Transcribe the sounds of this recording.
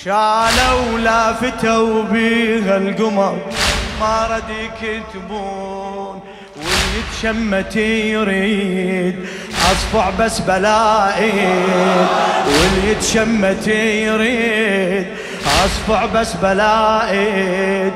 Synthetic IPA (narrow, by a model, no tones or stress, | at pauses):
ʃaːlawlafɪt̪awbiːɣalɡʊmɑɾmaɾˤɑd̪iːkit̪buː | n | wɪljɪt̪ʃamːat̪ijɾid̪̚ | ʔɑsˤfɑʕbasːbalaːʔɪ | d̪wɪljɪt̪ʃamːat̪ijɾid̪ | ʔɑsˤfɑʕbasːbalaːʔɪ